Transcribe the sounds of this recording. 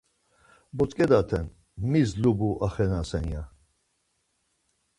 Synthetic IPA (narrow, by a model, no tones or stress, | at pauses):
bɔt͡s̪kʼɛd̪at̪ʰɛn | mizlubuʔaχɛnasɛnja